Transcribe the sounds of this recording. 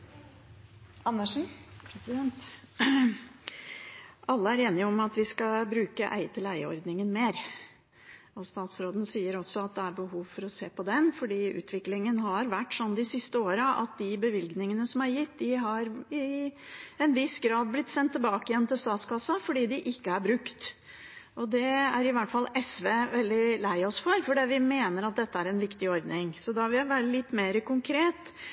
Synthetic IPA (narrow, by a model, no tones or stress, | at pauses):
ɑnːəʂn̩p̪ɛnt̪ | ʔɑlːəæɾeːnɪəɔmɑt̪ʋɪskɑbɾʉːkəʔæ̰ɪt̪ʰɪlæɪəɔ̰ɾd̪nɪŋənmeːɾ | ɔst̪ɑːt̪sɾoːd̪nsiːəɾɔsːɔɑt̪̚d̪ɛæɾbəɦuːʋfɔɾɔseːpɔd̪ɛnfɔɖiːʉ̰ːt̪ʰʋɪklɪŋənɦɑɾʋæʈːsɔnd̪ɪsɪst̪əoːɾəʔɑ̰t̪̚d̪ɪbəʋɪlɡnɪŋənəsɔmæɾjɪt̪ːd̪ɪɦɑɾɪ | ɛnʋɪsɡɾɑːd̪̚blɪt̪ːsɛnt̪ːɪlbɑːkɪjɛnːt̪ɪlst̪ɑːt̪skɑsːɑfɔɖiːd̪ɪʔɪkːəæɾbɾʉkt̪ | ʔɔd̪ɛæɾɪʋæʈːfɑlːɛsʋeːʋɛld̪ɪlæɪɔsfɔɾfɔɖiʋɪmeːnəɾɑt̪̚d̪ɛt̪ːəæɾɛnʋɪkt̪ɪɔɾd̪nɪŋsɔd̪ɑɑʋɪæʋæɾəlɪt̪ːmeːɾəkʊŋkʰɾeːt̪